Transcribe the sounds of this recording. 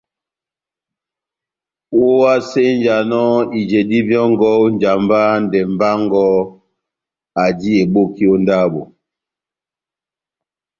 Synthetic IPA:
wo˦wa˦se˦n˦d͡ʒa˨nɔ˦i˨d͡ʒe˨di˦bjɔ˦ŋ˦ɡɔ˦wn˨d͡ʒa˨mba˦n˦dɛ˨m˨ba˦ŋ˦ɡɔ˦ | a˨di˦e˨bo˦ki˦o˦nda˦bo˨

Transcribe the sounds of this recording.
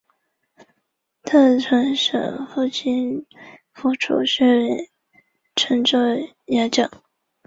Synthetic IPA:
t̪ʰa˥˩ʈ͡ʂʰɤ˧˥ŋʂɤ̰˨˩ŋfu˥˩t͡ɕʰi˥n | fu˥ʈ͡ʂʰṵ˨˩ɕɛ˥˩lɛ˧˩ | ʈ͡ʂʰə˧˥ŋʈ͡ʂo˥˩ | ja˧˥t͡ɕɑ˨˩˦ŋ

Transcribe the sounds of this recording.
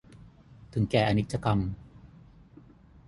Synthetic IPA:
t̪ʰɯ˩˦ŋkɛː˨˩ʔa˧ni˦˥t̪̚t͡ɕːa˧ka˧m

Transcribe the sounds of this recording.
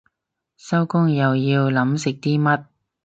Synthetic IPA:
sɐ˥wkʊ˥ŋjɐ˨wjiː˧wlɐ˨˥msɪ˨k̚t̪iː˥mɐ˥t̚

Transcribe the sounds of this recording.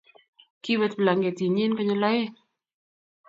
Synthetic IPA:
ki˦wɛ˦t̪bla˨ŋɡe˨t̪i˨ɲi˦nkɔ˦ɲɔ˦lɔ˦je˦

